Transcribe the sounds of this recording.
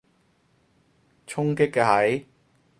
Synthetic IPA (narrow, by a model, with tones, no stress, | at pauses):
t͡ʃʰʊ˥ŋkɪ˥kːɛ˧ɦɐ˨˥j